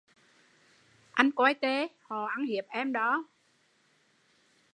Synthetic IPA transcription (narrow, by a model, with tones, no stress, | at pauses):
ʔa˧jŋ̟kwaː˧jt̪e˨˦hɔ˨˩ʔa˨˦ŋhi˨˩əp̚ʔɛ˧mɗɔ˨˦